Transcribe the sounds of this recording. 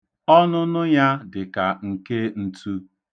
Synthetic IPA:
ɔ˦nʊ˦nʊ˦ja˦dɪ˨ka˨ŋ̩˨ke˦n̩˦tu˦

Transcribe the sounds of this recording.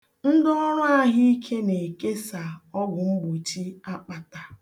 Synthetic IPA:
n̩˦dɔ˦ɾʊ˦a˦ɦi˦i˦kʰe˦ne˨ke˦sa˨ɔ˦ɡʊ˨ŋ͡m̩˦ɡ͡bu˨t͡ʃi˦a˦k͡pa˨ta˨

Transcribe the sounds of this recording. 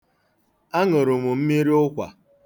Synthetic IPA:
a˦ŋʊ˨ɾʊ˨mʊ˨m̩˦mi˦ɾi˦ʊ˦kʷa̰˨

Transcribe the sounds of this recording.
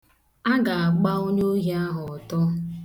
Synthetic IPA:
a˦ɡa˨a˨ɡ͡ba˦o˦ɲo˦ɦi˨˦a˦ɦʊ˨ɔ˨tɔ˦

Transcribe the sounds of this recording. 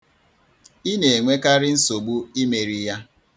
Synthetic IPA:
i˦ne˨e˨ŋʷe˦ka˦ɾɪ˦n̩˦so˨ɡ͡bu˦i˦me˨ɾi˨ja˦

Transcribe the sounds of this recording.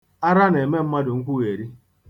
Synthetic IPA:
a˦ɾa˦n˨e˨me˦m̩˦ma˦dʊ˨ŋ̩˦kʷu˦ɣe˨ɾi˦

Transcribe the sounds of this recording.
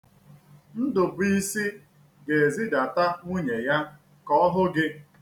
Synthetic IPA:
n̩˦dʊ˨bʊ˨i˦si˦ | ɡe˨e˨zi˦da˨ta˦ŋʷu˦ɲe˨ja˦ | kɔ˦ɦʊ˦ɡɪ˦

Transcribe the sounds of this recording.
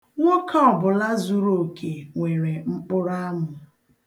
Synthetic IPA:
ŋʷo˦kʰa˦ɔ˨bʊ˨la˦zu˦ɾo˨kʰe˨ŋʷe˨ɾe˨ŋ͡m̩˦k͡pʊ˦ɾa˦mʊ˨

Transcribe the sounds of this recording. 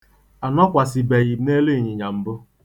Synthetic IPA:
a˨nɔ˦kʷa˨sɪ˨be˨ji˨˦ne˦le˦˨ɲɪ˨ɲa˨m̩˨bʊ˦

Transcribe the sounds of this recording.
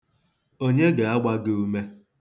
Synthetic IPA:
o˦ɲe˦ɡa˨a˦ɡ͡ba˦ɡe˦u˦me˦

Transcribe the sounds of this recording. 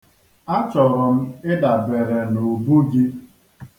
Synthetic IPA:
a˦t͡ʃɔ˨ɾɔ˨m̩˦ɪ˦da˨be˨ɾe˨no˨bu˦ɡi˦

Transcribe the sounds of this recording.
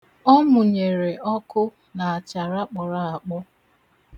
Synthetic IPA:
ɔ˦mʊ˨ɲe˨ɾe˨ɔ˦kʊ˦ | na˨a˨t͡ʃa˨ɾa˦k͡pɔ˨ɾa˦a˨k͡pɔ˦

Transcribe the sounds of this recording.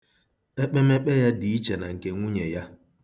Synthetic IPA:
e˦k͡pe˦me˦k͡pe˦ja˦di˨i˦t͡ʃe˨na˨ŋ̩˨ke˦ŋʷu˦ɲe˨ja˦

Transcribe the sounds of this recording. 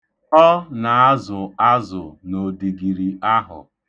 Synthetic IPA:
ɔ˦na˨a˦zʊ˨a˦zʊ˨no˨di˨ɡi˨ɾi˨a˦ɦʊ̰˨

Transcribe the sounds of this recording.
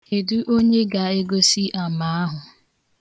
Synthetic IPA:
e˨du˦ʔo˦ɲe˦ɡa˨e˦ɡo˦si˦ʔa˨ma˦a˦ɦʊ˨

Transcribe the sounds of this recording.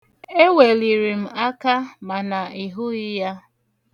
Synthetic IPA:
e˦we˨li˨ɾi˨m̩˨a˦ka˦ma˨na˨i˨ɦʊ˦ɪ˦ja˦

